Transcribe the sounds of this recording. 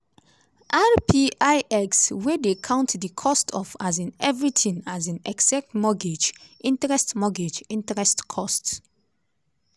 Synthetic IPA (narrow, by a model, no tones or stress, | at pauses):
ʔaɹpʰiʔaɪɛkswedekʰãʊ̃ntdəkʰɔstʰɔfazĩnɛvɹitʰĩŋazãnɛksak̚tmɔɡed͡ʒʔĩntɹɛstmɔɡed͡ʒĩntɹɛstkʰɔst